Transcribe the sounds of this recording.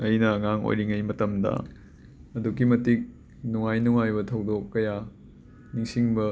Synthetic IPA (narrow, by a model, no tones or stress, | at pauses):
ɐjnɐːŋaŋo̰jɾiŋɐjmɐtɐmdɐ̰ | ɐduɡimɐtik̚ | nuŋajnuŋajbɐtʰɐwdokːɐja | niŋsiŋbɐ